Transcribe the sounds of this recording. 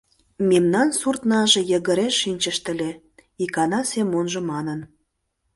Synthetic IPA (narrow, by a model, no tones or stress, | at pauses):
memnɑnsurt̪nɑʒĕjə̆ɣə̆ɾeʃːinʲt͡ɕə̆ʃt̪ə̆lʲe | ikɑnɑsemonʒɤ̆mɑnən